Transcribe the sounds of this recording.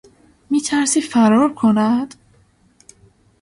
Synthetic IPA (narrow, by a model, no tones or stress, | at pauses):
miːt̪ʰæɾsiːfæɾɒːɾkʰonæd̪̥